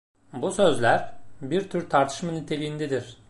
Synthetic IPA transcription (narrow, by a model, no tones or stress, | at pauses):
busø̞zlʲæɾbiɾt̪ʰyɾt̪ʰaɾt̪ʰɯ̥ʃmanyt̪ʰe̞lʲijind̪ɛd̪iɾ̥